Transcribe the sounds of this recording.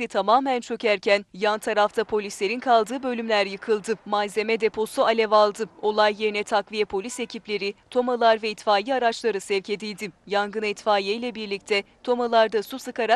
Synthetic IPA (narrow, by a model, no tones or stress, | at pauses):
it̪ʰamaːmænt͡ʃʰø̞cæɾcʰænjant̪ʰaɾaft̪ʰapʰo̞lʲislʲe̞ɾinkʰalˠd̪ɯːbø̞lʲymlʲæɾjɯkʰɯlˠd̪ɯmazemɛd̪epʰo̞sualʲɛvalˠd̪ɯo̞lˠajːeɾinɛt̪ʰakvijɛpʰo̞lʲise̞cʰiplʲe̞ɾit̪ʰo̞malˠaɾvɛit̪faːjiaɾat͡ʃlˠaɾɯsɛvce̞d̪ilʲd̪ijaŋɡɯnɛt̪faːjejlʲɛbiɾlʲic̚t̪ʰɛt̪ʰo̞malˠaɾd̪asusɯkaɾa